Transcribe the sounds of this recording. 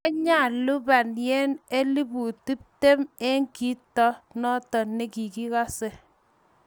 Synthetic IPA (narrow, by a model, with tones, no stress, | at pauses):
a˦ɲa˦˨lu˦ba˨njɛ˦ne˦li˦bu˨ti˦p̚te˦me˦ŋki˦tɔ˦nɔ˦tɔ˨ne˦ki˨ki˦ka˦se˨